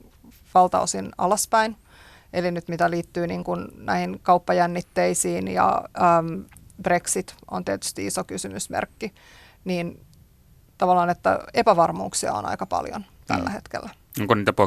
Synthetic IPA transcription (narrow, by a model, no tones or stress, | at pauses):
ʋɑlt̪ɑ̰osinɑ̰lɑspæin | elinyt̪mit̪æliːt̪ːyːniːŋkunnæihiŋkɑupːɑjænːit̪ːeisiːnjɑ̰əːmb̥reksit̪ʔo̰nt̪iæt̪y̥st̪iisokysymysmḛrkːi | niːn | t̪ɑʋɑlːˑɑːnet̪ːæ̰epæʋɑrmṵːksiɑ̰o̰nɑ̰ikɑpɑ̰ljo̰n | t̪æ̰lːæhet̪kḛlːæ | noŋkoniːt̪æpo